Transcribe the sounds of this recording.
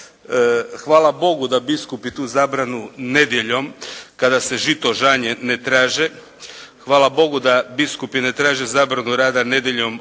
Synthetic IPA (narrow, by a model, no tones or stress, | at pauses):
xʋaːlabo̞ɡud̪abiskupit̪uːzaːbɾanune̞d̪jeʎo̞mkad̪ase̞ʒit̪o̞ʒaːɲenet̪ɾaːʒe | xʋaːlˠabo̞ɡud̪abiskupinet̪ɾaːʒezaːbɾanuɾaːd̪ane̞d̪jeʎo̞m